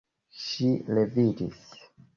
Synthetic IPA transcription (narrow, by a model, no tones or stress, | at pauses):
ʃilevidis